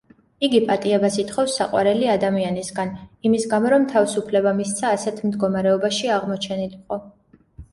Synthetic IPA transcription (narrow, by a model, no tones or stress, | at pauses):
iɡipʼat̪ʼiɛbasit̪χɔfsːaqʼwa̰ɾɛliad̪amianisɡanimisɡamɔɾɔmt̪ʰavisupʰlɛbamist̪sʰaːsɛt̪ʰmd̪ɡɔmaɾɛɔbaʃiaʁmɔt͡ʃʰɛniliqʼɔ